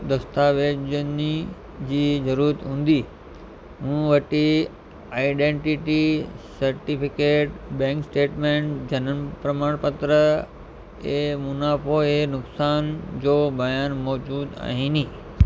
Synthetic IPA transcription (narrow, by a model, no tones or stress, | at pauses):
d̪ɐst̪aːʋeːd͡ʑəni | d͡ʑiːzɐɾuːɾət̪ɦũːn̆d̪iː | ɦũːʋɐʈi | aːɪɖẽːɳʈɪʈisɐɾʈipɪkeːʈbɛ̃ːŋksʈeːʈmẽːɳʈd͡ʑɐnənpɾɐmaːɽ̃pət̪ɾə | eːmʊnaːfʰoenʊksaːnd͡ʑoːbʱɐjaːnmɔːd͡ʑuːd̪a̰ːɦiːnĩː